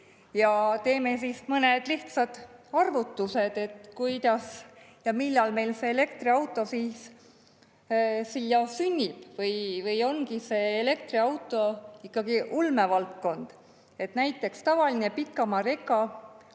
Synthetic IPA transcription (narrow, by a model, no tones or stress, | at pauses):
jɑt̪e̞ːme̞sismɤne̞d̪̥liht̪sɑd̪̥ɑrvut̪ːˑuse̞d̪̥e̞t̪kujd̪̥ɑs | jɑmilːɑlme̞jlse̞ele̞kt̪riɑwt̪ːˑo̞siːs | silːɑsynʲːib̥vɤjvɤjo̞nɡise̞ːle̞k̚t̪riɑwt̪ːˑo̞ikːɑɡiʔulme̞vɑlt̪̚ko̞nd̪̥ | e̞t̪næjt̪ˑːe̞kst̪ɑvɑline̞pikːˑɑmɑve̞kːˑɑ